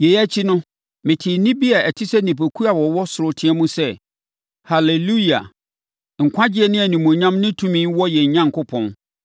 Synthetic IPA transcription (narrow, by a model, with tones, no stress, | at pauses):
je˨jæ˦t͡ɕʰi˦nʊ̃˦ | mɪ̃˨tʰɪ˨˦nɪ̃˦bi˦a˨æ˨tʰɪ˦sɛ˦nĩ˨p̬ʰæ˨kʰu˦a˨wɔ˨wɔ˦sʊ˨ɾʊ˨tʰɪ̃˦ɛ˦mũ˦sɛ˦ | ha˨le˨lu˦˨a̰˨ | ŋ̩˨kʷʰã˦d͡ʑɪ˦ɛ˨nɪ̃˦æ˨nĩ˨mõ˨ɲã˦mnɪ̃˦tʰũ˦mĩ˦nwɔ˦jɛ˨ɲ˨ɲã˦ŋ̩˨kʰʊ˦pʰɔ̃˨n